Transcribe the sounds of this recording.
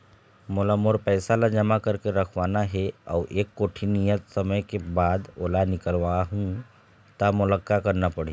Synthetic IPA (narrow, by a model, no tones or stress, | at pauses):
molamoɾpəjsalad͡ʒəmakəɾkeɾəkʰʋanaɦea̰wʔekːoʈʰinijət̪səməjkebad̪olanikəlʋaɦũ | t̪amuləkːakəɾnapəɽ̤ĩ